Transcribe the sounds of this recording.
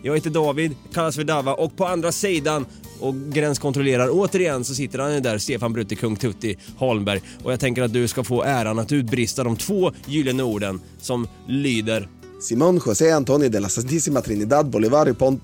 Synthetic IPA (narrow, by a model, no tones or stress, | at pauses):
jɑɡɛt̪ːəd̪ɑːvɪd̪kʰalːasfœɖavaʔɔk̚pʰɔand̪ɾasiːd̪an | ʔɔkɡɾɛnskʰɔnt̪ɾɔleːɾaɾoːt̪əɾɪjɛnsɔs̬ɪt̪ːəɾhanɪd̪æɾst̪eːfanbɾʉ̟ːt̪ːəkʰɵŋt̪ʰɵt̪ːɪhɔlmbæɾjʔɔjaɡt̪ʰɛŋkəɾat̪̚d̪ɵskafoːʔæːɾanat̪ʉ̟ːt̪̚bɾɪst̪ad̪ɔmt̪ʰv̥oːjyːlɪənəuːɖən | sɔm | lyːd̪əɾ | sɪmɔnɧɔseːant̪ʰonɪd̪elasant̪isɪmat̪ɾinɪd̪ad̪̚bɔlɪvaɾjəpʰɔnt̪